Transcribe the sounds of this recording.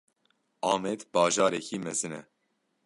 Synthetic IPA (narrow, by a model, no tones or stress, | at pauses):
ɑːmed̪bɑːʒɑːɾɛkiːmɛzɨnɛ̰